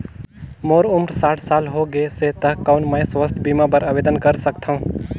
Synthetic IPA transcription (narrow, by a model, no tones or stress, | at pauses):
moːɾʊmɾsaːʈʰsaːlɦoɡeset̪əɦkːaʊnmə̃jswəst̪ʰbiːmapəɾabeːd̪ənkəɾsəkt̪ʰaũ